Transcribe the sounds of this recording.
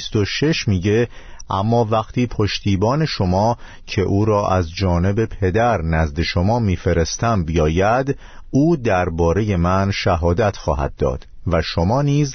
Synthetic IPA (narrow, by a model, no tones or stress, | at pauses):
st̪oʃe̞ʃmiːɟe̞ | ʔæmːɒːvæqt̪ʰiːpʰo̞ʃt̪ʰiːbɒːne̞ʃo̞mɒː | cʰe̞ʔuːɾɒːʔæzd͡ʒɒːne̞be̞pʰe̞d̪æɾnæzd̪e̞ʃo̞mɒːmiːfe̞ɾe̞st̪æmbijɒːjæd̪ | uːd̪æɾbɒːɾe̞je̞mænʃæɦɒːd̪æt̪ʰxɒːɦæ̰d̪̚ːɒ̰ːd̪̥ | væʃomɒːniːz